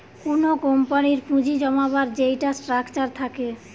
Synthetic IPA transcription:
kunokompaniɾpʰũd͡ʑid͡ʑɔmabaɾd͡ʑejʈasʈɾakt͡ɕaɾt̪ʰake

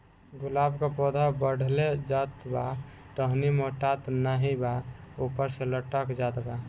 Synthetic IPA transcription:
ɡʊlabkapɔd̪ʱabəɽ̤ʱled͡ʒat̪ba | ʈəɦnimoʈat̪naɦibaupəɾseləʈəkd͡ʒat̪ba

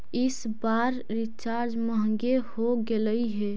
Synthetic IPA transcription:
ɪs | baɾ | ɾɪt͡ʃaːɾd͡ʒməɦŋɡehoɡeləiɦɛ

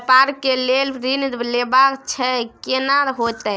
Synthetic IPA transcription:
paɾkelelɾind̪lebakt͡ʃʰɛkenaɦot̪ɛ

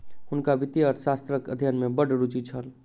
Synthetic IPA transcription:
ɦʊnkabit̪iɔɾsast̪ɾəkəd̪ʱijənmebəɖɾut͡ʃit͡ʃʰəl

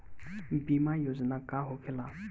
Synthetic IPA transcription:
bimajozinakaɦokʰela

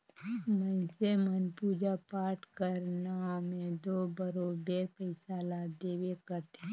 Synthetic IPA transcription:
mə̃ɪsemənpuːd͡ʒapaːʈʰkəɾnamẽd̪oːbəɾobeːɾpəɪsalad̪eːwekəɾt̪e

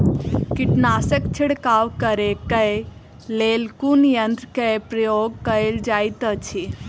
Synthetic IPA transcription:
kiʈnaːsəkt͡ʃʰiɽkaːwkəɾekə | leːlkunjənd̪ɾkejpɾɐjoːɡ̚kəld͡ʒaːjt̪ət͡ʃʰi

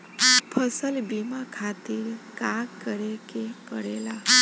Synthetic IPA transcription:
pʰəsəlbimãkʰat̪iɾkakkːəɾekepəɽela

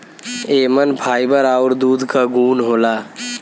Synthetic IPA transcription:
eːmənpʰaːibəɾaːʊɾd̪uːd̪kaɡuːnɦoːlaː

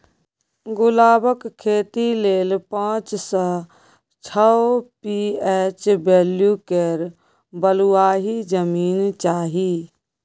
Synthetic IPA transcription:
ɡʊlaːbəkkʰːeːt̪ileːlpãːt͡ʃsə | t͡ʃʰəpieːt͡ʃbeːljukeɾ | bəlʊaːɦid͡ʒəmiːnt͡ʃaːɦiː

